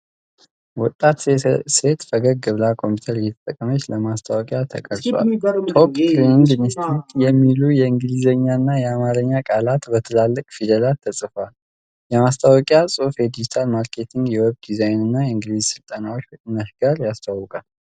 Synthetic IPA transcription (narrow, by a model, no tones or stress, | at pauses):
wɔt̪ʼːat̪se̞t̪fəɡəɡəβlakʰo̞mput̪ʰəɾjɛt̪ʰət̪ʼəkʼːəmət͡ʃːləmast̪ʰawɔkʼjat̪ʰə̰kʼəɾtwa̰okʼkɾiniŋɡnist̪it̪jɛmːilujɛɨŋɡɨlizəɲːaɨnːajɛamaɾəɲːakʼalat̪bət̪ʰəlalːəkʼfid̪əlat̪ʰːəsʼɨfal | jɛmast̪ʰawɔkʼjasʼofjɛd̪id͡ʒit̪ʰalmaɾkʰe̞t̪ʰiŋɡjɛwɛβd̪izajnɨnːajɛɨŋɡɨlizsɨlt̪ʼənawot͡ʃːbət̪ʼɨnəʃɡaɾjast̪ʰawɔkʼal